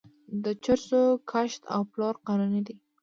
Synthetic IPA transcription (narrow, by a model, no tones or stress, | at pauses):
d̪ət͡ʃaɾsokʰaʃt̪ʰa̰wplɑɾqananid̪i